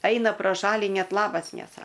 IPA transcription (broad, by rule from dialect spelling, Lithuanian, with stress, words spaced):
ˈɐɪnɐ proː ˈʃɑːlʲiː ˈnʲɛt ˈlˠɑːbɐs nʲɛˈsɐ